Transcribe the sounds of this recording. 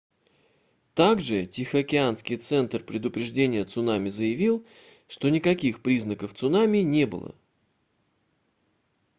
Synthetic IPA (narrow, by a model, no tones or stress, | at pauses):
t̪aɡʐɨtʲɪxəɐkʲɪanskʲɪjt̪sɛnt̪rpɾʲɪd̪ʊpɾʲɪʐdʲenʲɪjət̪sʊnamʲɪzəjɪvʲilˠ | ʂt̪o̞nʲɪkɐkʲixpɾʲiznəkəft̪sʊnamʲɪnʲe̞bɨ̰lˠə̰